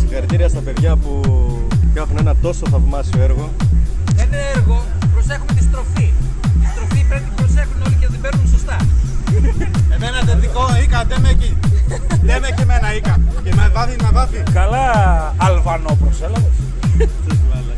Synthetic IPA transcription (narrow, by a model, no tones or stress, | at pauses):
sikɐɾt̪iɾiɐst̪ɐpe̞ðʝɐpu | kɐxune̞nɐt̪o̞soθɐvmɐsioeɾɣo̞ | eneeɾɣo̞ | pɾose̞xumet̪ist̪ɾo̞fi | t̪ist̪ɾo̞fipɾent̪ibɾo̞se̞xuno̞liceðebeɾnunso̞st̪ɐ | emenɐðeðikoikɐd̪emeci | lemecemenɐikɐcemevɐðinɐðɐfikɐlɐː | lvɐno̞pɾoselɐves | ssvɐle